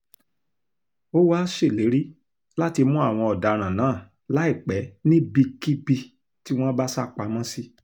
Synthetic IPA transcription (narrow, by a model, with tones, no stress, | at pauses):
o˦wa˦ʃe˦˨le˨˦ɾi˦ | la˦ti˧mũ˦a˦˨w̃ɔ̃˧ɔ˨da˨ɾ̃ã˨nãː˨˦˨ | la˨˦i˦˨k͡pɛ˨˦nĩ˦bi˧ki˦bi˧ | ti˦w̃ɔ̃˦ba˦sa˦k͡pa˨˧mɔ̃˦si˦